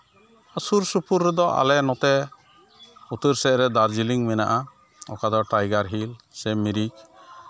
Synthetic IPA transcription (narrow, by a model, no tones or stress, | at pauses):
əsuɾsupuɾːɛd̪ɔʔa̰lɛnɔt̪ɛ | ut̪əɾsɛʔɾɛd̪aɾd͡ʒiliŋmɛna̰ʔa | ɔ̰kad̪ɔʈajɡaɾɦilsɛmiɾik̚